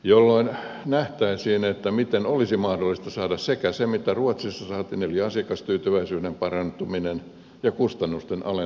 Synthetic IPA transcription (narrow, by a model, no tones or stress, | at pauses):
jolːoin | næht̪æisiːnet̪ːæmit̪enolisimɑhdolːist̪ɑsɑːdɑssekæsemit̪æruɑt̪sisːɑsɑːt̪inoliɑsikɑst̪yːt̪yʋæisyːdempɑrɑnt̪uminen | jɑkust̪ɑnːust̪enʔɑ̰le